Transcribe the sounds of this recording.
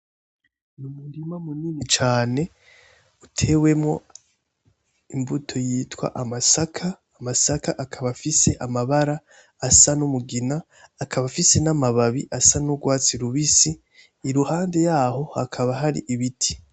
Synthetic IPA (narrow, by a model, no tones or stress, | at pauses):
numundimamuniːnit͡ʃaːne̞ | utʰe̞ːwe̞mŋo̞ | imbutʰo̞jiːtwa̰ʔamasakʰaːmasakaʔakʰaβafise̞ʔamaβaɾaː | sanumuɡinaː | kʰaβafise̞namaβaβiʔasanuɡwaːt͡siɾuβisiː | ɾuhaːnde̞jaːho̞hakʰaβaɦaɾḭʔiβitʰi̥